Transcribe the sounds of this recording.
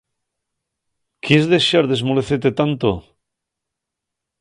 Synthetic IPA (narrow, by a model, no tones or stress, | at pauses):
kezðeʃaɾðe̞zmoleθet̪et̪ant̪o̰